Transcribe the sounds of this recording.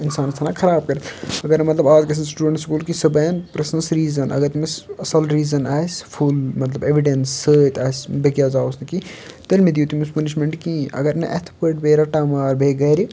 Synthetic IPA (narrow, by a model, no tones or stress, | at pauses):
insaːnst̪ʰːnakʰɐɾaːb̚kɐɾɐt̪ɐɡɐɾnmɐt̪lɐbaːt̪ɡɐs̬ɐnsʈuːɖeɳʈskuːlkisɐbɐnpɾesnɐsɾiːzɐnʔɐ̰ɡɐɾt̪mesɐsɐlɾiːzɐnaːspʰulmɐt̪lɐbeʋiɖensːət̪ʰaːsbekjazaːusnɐkit̪elmed̪iːut̪umeuspɐniʃ̬mẽɳʈkĩʔɐ̰ɡɐɾmḛʔet̪ʰpəʈ̚bʱeɾɐʈaːmaːɾbʱeːɡɐːɾi